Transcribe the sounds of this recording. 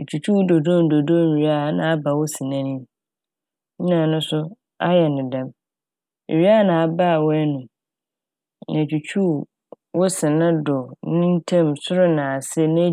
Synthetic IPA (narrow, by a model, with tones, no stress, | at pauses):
e˨t͡ɕʰᶣu˨t͡ɕʰu˦˨do˨dɔ̃˦˨n˨do˨dɔ̃˦˨m˨ɥi˨a˦˨nã˨a˦ba˨wɔ˦sĩ˨nã˦nĩ˦m | ɲ̩˦nã˨nʊ̃˦sʊ˦ | a˦jɛ˨nɪ̃˨dã˦m˨ | ɥi˦a˦nã˨a˨ba˦˨wɛ˦nʊ̃˨ | nã˨t͡ɕʰᶣu˨t͡ɕʰu˦ | wɔ˦sɪ̃˨nã˦dʊ˨nɪ̃˦n˦tʰɛ̃˦msʊ˦ɾʊ˦nã˨a˨sɪ˦nã˦